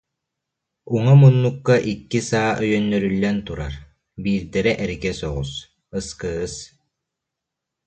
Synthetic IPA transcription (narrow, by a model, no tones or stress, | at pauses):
uŋamunːukːaʔikːisaːʔœjœnːœɾylːɛnt̪uɾa̰ɾ | biːɾd̪ɛɾɛʔɛɾikɛsɔʁus | ɯskɯːɯs